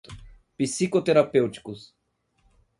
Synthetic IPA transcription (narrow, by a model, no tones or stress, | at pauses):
pisikot̪ɛɾapɛwt͡ʃkus